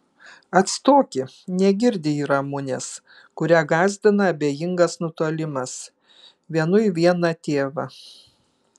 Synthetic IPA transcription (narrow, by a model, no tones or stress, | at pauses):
ɐt̪st̪oːkʲɪ | nʲɛɡʲɪɾʲd̪ʲɪiːɾɐmʊnʲḛs | kʊɾʲæɡɑːzʲd̪ʲɪnɐɐbʲeːjɪŋɡɐsnʊt̪oɔlʲɪmɐs | ʋʲiɛnʊɪʋʲiɛnɐt̪ʲeːʋɐ